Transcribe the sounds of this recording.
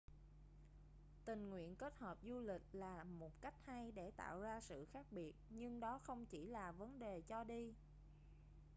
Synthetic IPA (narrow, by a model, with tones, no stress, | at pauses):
t̪ï˨˩ŋ̟ŋwḭ˧˨ənke˦˥t̚həː˨˩p̚zu˧lï˨˩k̟̚laː˨˩mo˨˩t̚ka˦˥jk̟̚ha˧jɗe˧˩t̪a̰ː˧˨wzaː˧sɨ̰˧˨xaː˦˥k̚ɓi˨˩ət̚ɲɨ˧ŋɗɔ˨˦xə˧wŋ͡mt͡ɕi˧˩laː˨˩və˨˦nɗe˨˩t͡ɕɔ˧ɗi˧